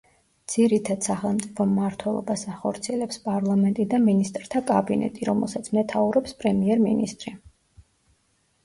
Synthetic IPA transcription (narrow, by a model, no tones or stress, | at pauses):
d̪z̥iɾit̪ʰad̪̥saχɛlˠmt̪sʼipʰɔmːaɾt̪ʰwɛlˠɔ̰basaχɔɾt̪sʰiɛlɛpspʼaɾlˠamɛnt̪ʼid̪aminist̪ʼɾt̪ʰakʼabinɛ̰t̪ʼiɾɔmɛ̰lˠsat̪sʰmɛt̪ʰauɾɔpspʼɾɛmiɛɾminist̪ʼɾi